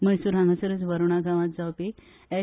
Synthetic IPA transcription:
məjsuɾãŋɡasəɾət͡sʋəɾuɽaɡaʋãt̪̚d͡zawpe | ɛ

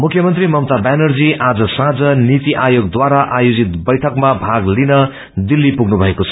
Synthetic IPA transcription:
mukʰjʌmʌnt̪rimʌmt̪abanʌrd͡ziʔad͡zʌsãd͡zʌnit̪iʔajoɡd̪waɾaʔajod͡zit̪bʌjʈʰʌkmabʱaɡlinʌ | d̪ilːipuɡnubʱʌekot͡sʰʌ̥

